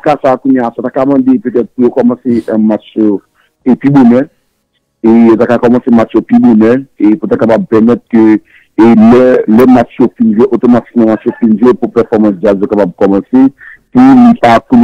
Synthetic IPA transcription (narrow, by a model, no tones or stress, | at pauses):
kasakũɲjasat̪akamɑ̃d̪epøt̪ɛt̪̚pujokɔmɑ̃seʔɛ̃mat͡ʃjo | epibonɛ | ejot̪akakɔmɑ̃sẽmat͡ʃjopibonɛeput̪akapab̚pɛʁmɛt̪̚kø | lɛlɛmat͡ʃjofind͡ʒeʔot̪omati̥k̚mɑ̃mat͡ʃjofind͡ʒepupɛʁfɔʁmɑ̃sd͡ʒazjokapab̚kɔmɑ̃sepulipakũm